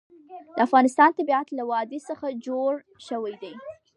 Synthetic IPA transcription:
d̪əafɣɑnɪst̪ɑnt̪abiat̪lawɑd̪esəxad͡ʒoɽ | ʃəwajd̪aj

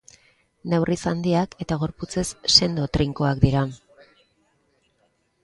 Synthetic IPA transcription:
newrʔisand̪iake̞t̪aɣ̞o̞ɾput͡se̞sːe̞nd̪o̞t̪ɾiŋkoakd̪iɾa

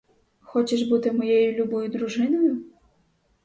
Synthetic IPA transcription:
xɔt͡ɕɛʐbut̪ɪmɔjejulʲubɔjʊd̪ɾuʐɪnɔjʊ

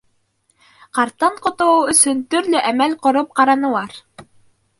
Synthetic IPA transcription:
qɑɾt̪ːɑɴqŏt̪oɵ̆sɵnt̪ɵɾlɵʔæmælqŏɾop̚qɑɾɑnɤ̆lˠɑɾ

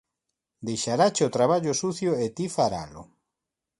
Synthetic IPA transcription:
d̪ejʃaɾat͡ʃeot̪ɾaβ̞aʎosuθjoet̪ifaɾa̰lʊ̰

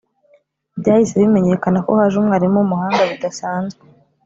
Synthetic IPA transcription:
bɟaːhiseβime̞ɲe̞kanako̞̰haːʒumŋaːɾimumuhaːŋɡaβidasaːnzwe

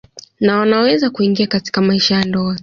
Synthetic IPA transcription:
nawanawɛzakuiŋɡiakati̥kamaiʃajandɔa

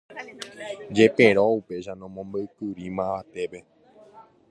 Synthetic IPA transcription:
d͡ʒe̞pẽɾoupe̞ʃanõmõmbəɨkɨɾimãʋat̪e̞pe̞

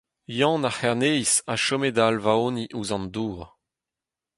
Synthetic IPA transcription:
jɑ̃ːnaχɛʁnejsaʃomedalvaoːniʔuzɑ̃nd̪uːʁ

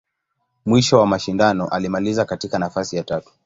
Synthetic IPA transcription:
mwiʃɔwamaʃindanɔʔalimalizakatikanafasijatatu̥

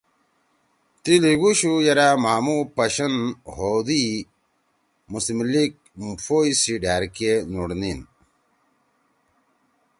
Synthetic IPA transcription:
t̪iliɡuɕujɐɾamaːmupɐɕɐnɦoːd̪i | musimlik̚ | mfoisiɖaːɾkenuɽnin

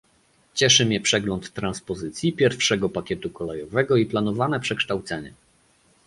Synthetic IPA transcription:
t͡ɕɛʂɘmʲjɛpʂɛɡlɔnt̪ːɾanspɔzɘt̪sʲjipʲjɛɾfʂɛɡɔpakʲjɛt̪ukɔlɛjɔvɛɡɔiplan̪ɔvanɛpʂɛkʂt̪awt̪sɛɲɛ̰

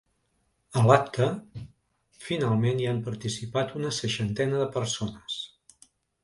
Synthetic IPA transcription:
əlap̚t̪ʰə | finalˠmeniampəɾt̪isipat̪unəsəʃənt̪ɛnəðəpəɾsonəs

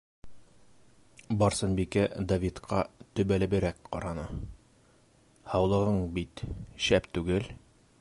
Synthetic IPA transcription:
bɒɾsɤnbikæd̪ɐvʲit̪qʰɑt̪ɵ̆bælɘ̆bɘ̆ɾækqɒ̰ɾɑnɤ | hɑwlˠɤ̆ʁɤɴbit̪ɕæpt̪ʉɡɘl

